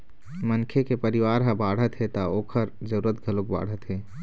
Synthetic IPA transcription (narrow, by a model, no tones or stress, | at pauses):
mənkʰekepəɾɪwaːɾɦə̃baːɽ̤ət̪ɦet̪aoːkʰəɾd͡ʒəɾuːɾət̪ɡʱəlok̚ba̰ːɽ̤ət̪ɦeː